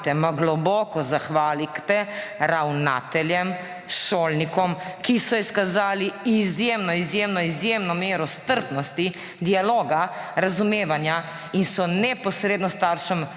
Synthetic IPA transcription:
t̪ɛmaɡlɔbɔːkɔzaxʋaːlikt̪ɛɾawna̰ːt̪ɛljɛm | ʃoːlnikɔmkisɔiskazaːliizjemnɔizjemnɔizjemnɔmeːɾɔst̪əɾt̪nɔst̪i | d̪ialoːɡaɾazumeːʋanja | insɔnɛpɔsɾeːd̪nɔst̪aɾʃɛm

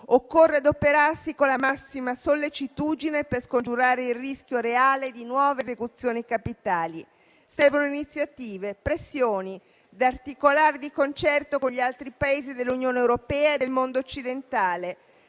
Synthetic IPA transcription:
okːorːead̪opeɾarsikonlːamasːimasolːet͡ʃit̪ud̪ineperskond͡ʒuɾaːɾeilrisk̟joɾeaːled̪inwɔːvezekut̪sːjoːnikapit̪aːli | sɛvonoinit̪sːjat̪iːvepɾesːjoːni | d̪art̪ikolaːɾed̪ikont͡ʃɛrt̪okoɲʎialt̪ɾipaeːzid̪elːunjoːnewɾopɛːaed̪elmond̪oːt͡ʃːid̪ent̪aːle

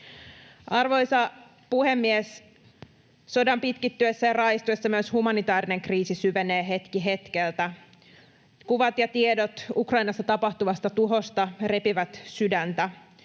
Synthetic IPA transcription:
ʔɑrʋo̞jsɑ | puhemːies | so̞dɑmpit̪kit̪ːyesːæjɑrɑjst̪uesːɑmyøshumɑnit̪ɑːɾine̞ŋkriːsisyʋeneːɦe̞t̪kiɦe̞t̪k̟elt̪æ | kuʋɑt̪jɑt̪iedot̪ukrɑinɑst̪ːɑt̪ɑpɑht̪uʋɑst̪ɑt̪uɦo̞st̪ɑre̞piʋæt̪sydænt̪æ

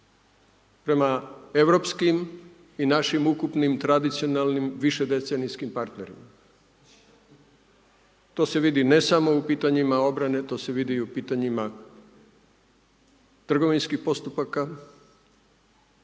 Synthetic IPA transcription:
pɾe̞mae̞ʋɾo̞pskim | inaʃimukupnimt̪ɾad̪it̪sijo̞nalnimʋiʃe̞d̪e̞t̪se̞niskimpaɾt̪ne̞ɾḭma | t̪o̞ːse̞ʋid̪ine̞samo̞upiːt̪aɲimao̞bɾane̞t̪o̞ːse̞ʋid̪iupiːt̪aɲima | t̪r̩ɡo̞ʋinskixpo̞st̪upaka

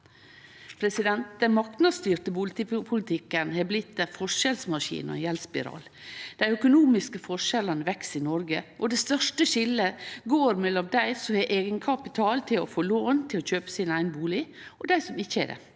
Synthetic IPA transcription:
pʰɾɛsɪd̪ɛnt̪̚d̪ɛnmɑk̚t̪nɑst̪yːɾt̪əpʊlt̪ɪpʰʊlɪt̪ʰɪkːənhɛblɪt̪ːɛfɔʂɛlsmɑʂḭːnɔ̰jɛlspɪɾɑ̰ːl | d̪̥æɪœkʊnuːmɪskəfɔʂɛlənəʋɛksɪnɔɾɡəʔɔd̪ɛst̪œʂʈəʃɪlːəɡoːɾmɛlːɔmd̪æɪsɔhɛʔeːɡənkʰɑpɪt̪ʰɑːlt̪ʰɪlɔ̰foːloːnt̪ʰɪlɔçøːpə̥sɪnæɪɡənəbuːlɪ | ɔd̪æɪsɔmɪçːəɛ̰dɛ̰

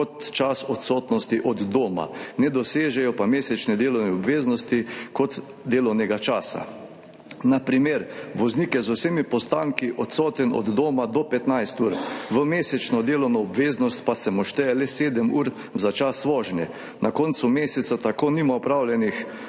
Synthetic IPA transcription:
kɔt̪t͡ʃasɔt̪sɔːt̪nɔst̪iʔɔd̪d̪oːma̰nɛd̪ɔseːʒɛjɔpameːsɛt͡ʃnɛd̪eːlɔwnɛɔbʋeːznɔst̪ikɔt̪ | d̪eːlɔwnɛɡat͡ʃaːsa̰ | napɾimeːɾʋɔznikjɛzʊsemipɔst̪aːŋkiʔɔt̪sɔːt̪ɛnɔ̰d̪d̪oːmad̪ɔpɛt̪najst̪uːɾʋəmeːsɛt͡ʃnɔd̪eːlɔwnaɔbʋeːznɔst̪pasɛmɔʃt̪ɛjɛlɛseːd̪əmuːɾ | zat͡ʃasʋɔːʒnjɛ | nakɔnt̪sʊmeːsɛt̪sat̪akoːnimaɔpɾaːwljɛnix

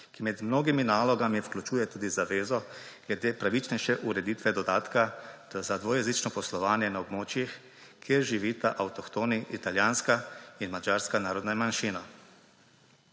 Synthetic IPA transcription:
kimɛd̪mnoːɡiminaːlɔɡamiwklʲut͡ʃuːjɛt̪uːd̪izaʋeːzɔ | ɡ̥lɛd̪eːpɾaʋit͡ʃnɛjʃɛʔuɾɛd̪it̪ʋɛd̪ɔd̪aːt̪kazad̪ʋojɛzit͡ʃnɔpɔslɔʋaːnjɛnaɔbmoːt͡ʃjix | kʰjeːɾʒiʋit̪aʔawt̪ɔkt̪oːniʔit̪aljaːnskainmad͡ʒaːɾskanaːɾɔd̪namanʃiːna

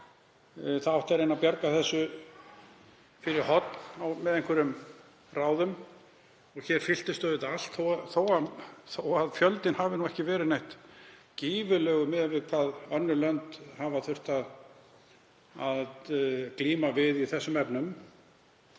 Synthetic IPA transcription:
θaðawht̪aɾejnapjaɾkaθɛsːʏ | fɪɾɪɾhɔt̪nawmɛðejŋkvʏɾʏm | raːwðʏm | ɔɣçɛɾ̥fɪl̥t̪ɪst̪œːðɪt̪al̥t̪θowθoːwaθoaðfjœlt̪ɪnhavɪnuɛhcɪvɛːɾɪnejht̪ciːvʏlœːɣʏmɛðvɪðkʰvaːðœnːʏlœnt̪havaθʏr̥t̪að | aðkliːmavɪðiθɛsːʏmɛpnʏm

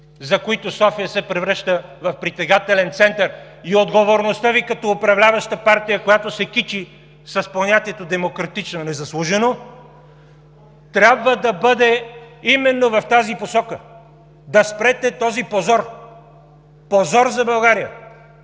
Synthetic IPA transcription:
zɐkoit̪osɔfijəsɛpɾɛvɾəʃt̪əvɐfpɾit̪ɛɡat̪ɛlɛnt̪sɛnt̪əɾ | iod̪ɡovoɾnost̪əvikɐt̪ɔːpɾɐvlʲavəʃt̪əpaɾt̪ijəkojat̪osɛkit͡ʃi | sɐsponʲat̪iɛt̪od̪ɛmokɾɐt̪it͡ʃnonɛzɐslˠuʒɛno | t̪ɾʲabvəd̪ɐbɤd̪ɛimɛnːovɐft̪aziposɔkə | d̪ɐspɾɛt̪ɛt̪ɔzipozɔɾ | pozɔɾzɐbɐlˠɡaɾijə̰

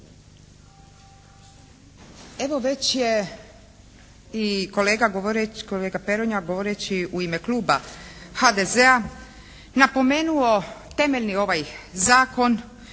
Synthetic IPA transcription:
e̞ʋo̞ʋe̞t͡ɕje | iko̞leːɡaɡoʋoɾekoleːɡape̞ɾoɲaɡo̞ʋoɾet͡ɕiuime̞kluːbaxad̪ezea | napo̞me̞ːnuo̞t̪e̞me̞ʎʲnio̞ʋajzaːko̞n

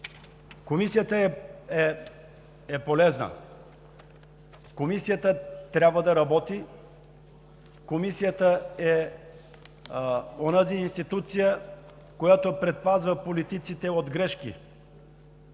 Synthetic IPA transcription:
komisijət̪əɛɛ | ɛpolɛznə̰ | komisijət̪ət̪ɾʲabvəd̪ɐɾɐbɔt̪i | komisijət̪əɛ | onaziːnst̪it̪ut̪sijə | kojat̪oɛpɾɛt̪̚pazvəpolit̪it̪sit̪ɛod̪ɡɾɛʃkḭ

